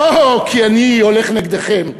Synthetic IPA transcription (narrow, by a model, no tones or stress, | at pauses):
okʰianio̞leχneɡd̪eχem